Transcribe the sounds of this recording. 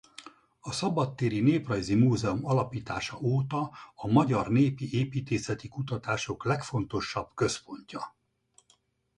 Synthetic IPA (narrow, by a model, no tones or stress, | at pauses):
ɒsɒbɒt̪ːeːɾineːprɒjzimuːzɛumɒlɒpiːt̪aːʃɒʔoːt̪ɒːmɒɟɒrneːpiʔeːpiːt̪eːsɛt̪ikut̪ɒt̪aːʃo̞klɛkfo̞n̪t̪o̞ʃːɒb̥kø̞spo̞ɲcɒ